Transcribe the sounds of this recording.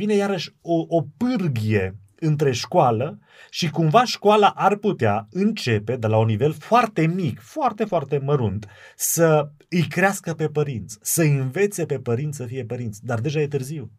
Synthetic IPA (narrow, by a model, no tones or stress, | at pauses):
vine̞jaɾəʃʲoʔopɨrɡije̞ | ɨnt̪ɾe̞ʃkoalə | ʃikumvaʃkoalaʔarput̪eaɨnt͡ʃe̞pe̞d̪elaunːive̞lfoart̪e̞mikfoart̪e̞foart̪e̞məɾunt̪ | sə | ɨjkɾeaskəpe̞pəɾint̪sʲsəɨɨnve̞t̪se̞pe̞pəɾint̪ssəfije̞pəɾint̪sʲd̪ard̪e̞ʒaje̞t̪ɨrziw